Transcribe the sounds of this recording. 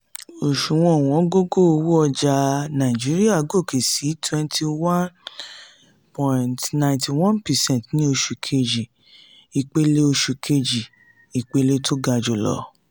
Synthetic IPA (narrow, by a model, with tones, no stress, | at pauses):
o˨ʃu˨w̃ɔ̃˦˨w̃ɔ̃˨˦ɡo˦ɡo˦o˧wu˦ɔ˧d͡ʒa˧nã˨ĩ˨d͡ʒi˨˦ɾi˦a˦˨ɡo˦˨kʰe˨si˨˦tʰwɛ̃˧ntʰi˧wã˦n | pʰɔ̃˨ntnã˧˨ntʰi˨wɔ̃˦npɛ˨sɛ̃˦˨tnĩ˦o˧ʃu˧kʰe˧d͡ʒi˨ | i˨k͡pe˧le˦o˧ʃu˧kʰe˧d͡ʒi˨ | i˨k͡pe˦le˦tʰo˦ɡa˧d͡ʒo˨lɔ̰˨˧˦